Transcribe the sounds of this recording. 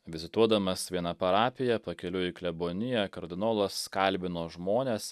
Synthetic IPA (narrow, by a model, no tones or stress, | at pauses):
ʋʲɪzʲɪt̪uɔd̪ɐmɐsʋʲiɛnɐpɐɾɑːpʲɪjɛpɐkʲɛlʲʊɪklʲɛboːnʲɪjɛkɐɾʲd̪ʲɪnoːlˠɐskɐlʲbʲɪnoːʒmoːnʲeːs